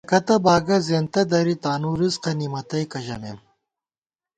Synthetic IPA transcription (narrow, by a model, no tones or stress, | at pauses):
kɐt̪ɐbaːɡɐzeːnt̪ɐd̪ɐɾit̪aːnuːɾizqɐnimɐt̪ɐjkɐʑɐmem